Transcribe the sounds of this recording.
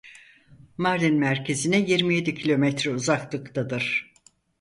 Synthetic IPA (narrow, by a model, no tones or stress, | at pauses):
maɾlinmæɾcʰezinɛjiɾmije̞d̪icʰilʲo̞mɛt̪ɾɛuzaklˠɯkt̪ʰad̪ɯɾ̥